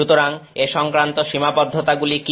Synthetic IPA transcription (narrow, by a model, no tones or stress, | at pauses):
ut̪oɾaŋeʃɔŋkɾant̪oʃimapɔd̪ʱːot̪aɡuliki